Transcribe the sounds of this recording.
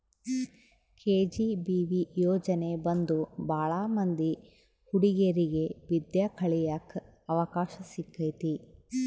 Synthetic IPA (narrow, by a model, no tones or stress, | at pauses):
kʰeːd͡ʒibiːʋijɔːd͡ʒɐne̞bɐnd̪ubʱaːɭaːmɐnd̪i | huɽiɡɐɾiɡeʋid̪jɐkʰɐɭijak | ɐʋɐkaːʃɐsikʰːɐjt̪i